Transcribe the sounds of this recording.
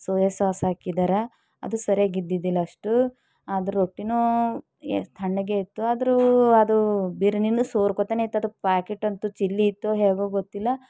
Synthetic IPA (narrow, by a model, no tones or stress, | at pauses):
soːjesaːsɦaːkid̪aːɾe | ɐ̰d̪usɐɾeɡid̪ːid̪ilːɐːʂʈu | aːd̪ɐɾoʈːinu | t̪ʰɐɳɖɐɡeit̪ːuaːd̪ɐɾuɐd̪ubiɾɐninːusoːɾkot̪aːneit̪ːuɐd̪upaːkeʈːɐnt̪ut͡ʃilːiːt̪ːuɦeːɡuɡot̪ːilːɐ